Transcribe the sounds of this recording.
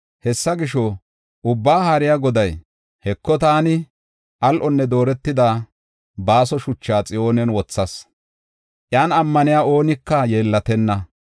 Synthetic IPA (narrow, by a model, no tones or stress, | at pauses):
hɛsːɐɡɪʃɔ | ʔʊbːaːhaːɾɪjaːɡɔd̪ɐj | hɛkːɔt̪aːnɪ | ʔɐlʔɔnːɛd̪o̞ːɾɛt̪ːɪd̪aː | baːsɔʃʊt͡ʃːaːt͡sʼɪjo̞ːnɛnwɔt͡sːɐs | ʔjaːnɐmːɐnɪjaːoːnɪkːɐje̞ːlːɐt̪ɛnːɐ